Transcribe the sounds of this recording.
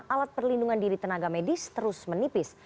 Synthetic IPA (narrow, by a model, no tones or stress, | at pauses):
ʔalat̪̚pərlinduŋandiɾit̪ənaɡamedɪst̪əɾʊsmənipɪs